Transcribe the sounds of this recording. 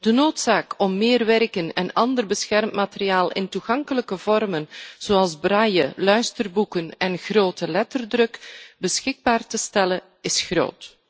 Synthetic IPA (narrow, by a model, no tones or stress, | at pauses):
d̥ənoːtsaːkɔmːɪːrʋɛrkənɛnɑndərbəsxɛrmtmaːtərijaːlˠɪ̰ntuɣɑŋkələkəvɔrmənz̥oɑlˠzbraːjəlœɥstərbukənɛnɣroːtəlɛtərdrɵkbəsxɪɡ̚baːrtəstɛlə | ɪsxro̰ːt